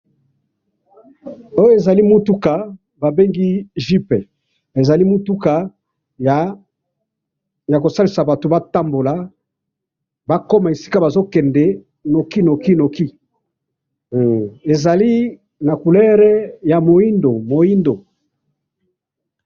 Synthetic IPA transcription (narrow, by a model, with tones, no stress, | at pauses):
o˦jo˦e˨za˨li˦mu˦tu˦ka˨ | ba˨be˦ŋɡi˦ʒi˦pɛ˨ | e˨za˨li˦mu˦tu˦ka˨ | j | ja˨ko˨sa˦li˨sa˨ba˨to˨ba˦ta˦mbo˨la˨ | ba˦ko˦ma˨e˨si˦ka˦ba˨zo˦kɛ˨ndɛ˨ | no˨ki˦no˨ki˦no˨ki˦ | e˨za˨li˦ | na˨ku˨lɛ˦ʁɛ˦ja˨mo˨i˦ndo˨mo˨i˦ndo˨